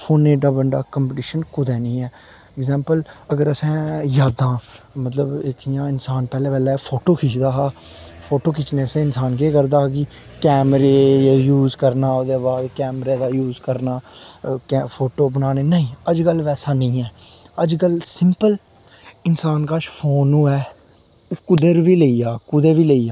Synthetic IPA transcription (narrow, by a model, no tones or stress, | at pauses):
pʰoːneːɖaːbəɳɖa̰ːkəmpʈɪːʃənkʊd̪ɛːnĩːɛː | ɛɡzɛ̃ːmpələɡəɾəsɛ̃ːjaːd̪ãːmət̪ləbɪkjãːɪnsaːnpɛːlẽːbɛːlɛːpʰoːʈoːkʰiːt͡ʃd̪aːɦaː | pʰoːʈoːkʰɪt͡ʃneːsẽːɪnsaːnkeːkəɾd̪aːɡi | kɛːmɾeːaːjuːzkəɾnaːod̪eːbaːd̪kɛːmɾeːd̪aːjuːzkəɾnaːkɛpʰoːʈoːbənaːneːnəĩːəd͡ʒkəlʋɛːsaːnəĩːɛːəd͡ʒkəlsɪmpəl | ɪnsaːnkaːʃpʰoːnːũːɛː | kʊd̪əɾʋiːleiːjaːkʊd̪əɾʋiːleiːjaː